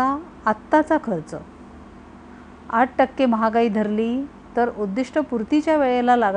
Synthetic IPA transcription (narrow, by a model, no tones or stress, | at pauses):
aː | t̪ːat͡sakʰəɾt͡sə | aʈ̚ʈəkːeməɦaɡaiːd̪ʱəɾliː | t̪əɾud̪ːiʂʈəpuɾt̪it͡ɕjaʋeɭelalaɡ